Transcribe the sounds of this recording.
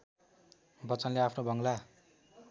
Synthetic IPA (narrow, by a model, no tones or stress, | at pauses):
bʌt͡sʌnleapʰnobʱʌŋɡla